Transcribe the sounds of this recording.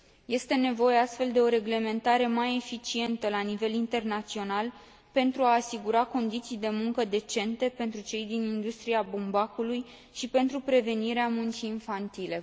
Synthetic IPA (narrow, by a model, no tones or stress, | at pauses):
je̞st̪e̞ne̞vo̞je̞ast̪fe̞ld̪e̞o̞ɾe̞ɡle̞me̞nt̪aɾe̞maje̞fit͡ʃie̞nt̪əlanive̞lint̪e̞rnat̪sio̞nal | pe̞nt̪ɾuaːsiɡuɾako̞nd̪it̪sijd̪e̞muŋkəd̪e̞t͡ʃe̞nt̪e̞pe̞nt̪ɾut͡ʃe̞jd̪inind̪ust̪ɾiabumbakuluj | ʃipe̞nt̪ɾupɾe̞ve̞niɾeamunt͡ʃiːnfant̪ile̞